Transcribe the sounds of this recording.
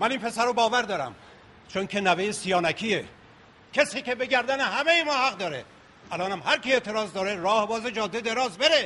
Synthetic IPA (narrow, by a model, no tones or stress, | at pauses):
mæniːnpʰe̞sæɾobɒːvæɾd̪ɒːɾæ̰m | t͡ʃʰoŋkʰe̞nævejesijɒːnækʰiːe | cʰesiːkʲebe̞ɡæɾd̪ænehæme̞jemɒːhæɣd̪ɒːɾe̞̰ | ʔælɒːnæmhæɾkʰie̞ʔt̪ʰe̞ɾɒːzd̪ɒːɾeɾɒːhebɒːzed͡ʒɒːd̪ːed̪e̞ɾɒːzbe̞ɾe